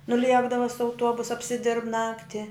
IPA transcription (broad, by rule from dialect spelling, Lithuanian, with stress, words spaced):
nʊˈlʲiɛɡdɐʋɐ sʊ ɐʊˈtuɔbʊs ɐpʲsʲɪˈdʲɪrp ˈnɑːktʲɪ